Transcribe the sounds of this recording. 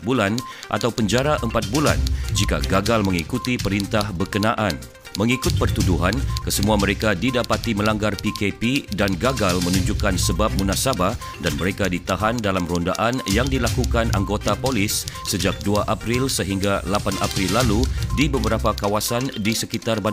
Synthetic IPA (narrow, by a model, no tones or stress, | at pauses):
bulanʔa̰t̪awpəɲd͡ʒaɾaʔəmpat̪̚bula̰nd͡ʒika̰ɡaɡalməŋikut̪ipəɾint̪ahbərkənaʔan | məŋikʊt̪̚pərt̪uduɦankəsəmuaməɾekadidapat̪iməlaŋɡarpikepidanɡaɡalmənuɲd͡ʒukansəbap̚munasaba | danməɾekadit̪aɦandalamronda̰ʔanjaŋdilakukanʔaŋɡot̪apolisːəd͡ʒak̚duaʔapɾilsəɦiŋɡalapanʔapɾilːaludibəbəɾapakawasandisəkit̪arba